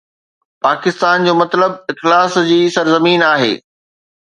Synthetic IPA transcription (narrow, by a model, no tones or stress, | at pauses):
paːkɪst̪aːnd͡ʑoːmɐt̪ləb̚ɪxlaːsd͡ʑiːsɐɾzɐmiːnaːɦḛː